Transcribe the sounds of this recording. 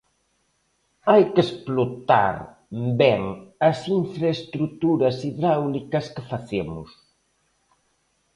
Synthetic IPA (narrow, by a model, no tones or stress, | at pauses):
ajkesplot̪a̰ɾ | bɛŋɐsiɱfɾaest̪ɾut̪uɾɐsiðɾawlikɐskefaθemʊ̰s